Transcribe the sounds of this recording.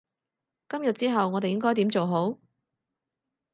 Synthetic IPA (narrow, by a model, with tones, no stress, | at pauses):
kɐ˥mjɐ˨t̚t͡siː˥ɦɐ˨wŋɔː˨˧t̪e˨jɪ˥ŋk̬ɔː˥jt̪i˨˥mt͡so˨wɦo˨˥w